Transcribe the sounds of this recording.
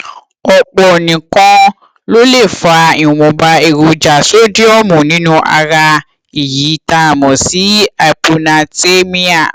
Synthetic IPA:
ɔ˧k͡pɔ˧˨nĩ˨kɔ̃˧˦ | lo˦le˦˨fa˧ĩ˨wɔ̃˨ba˧e˧˨ɾo˨d͡ʒa˨so˦di˦ɔ˦mũ˨nĩ˦nũ˦ʔa̰˧ɾa˧ | i˨ji˨˦ta˦˧˨mɔ̃˨si˨˦a˧pu˧nã˧te˦mĩ˦a˦˨

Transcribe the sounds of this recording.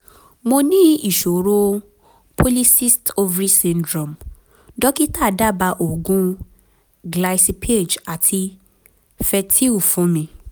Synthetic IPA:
mo˧nĩ˦i˦˨ʃo˨ɾo˦ | pʰo˦li˦si˦sto˧vɾi˦sĩ˧ndɾɔ̃˨m | dɔ˦ki˦ta˦˨da˦˨ba˧ʔo˨ɡũ˦ | ɡla˧si˧pʰe˦˨d͡ʒa˨tʰi˧ | fɛ˧tʰi˦u˦˨fũ˨˦mĩ˧

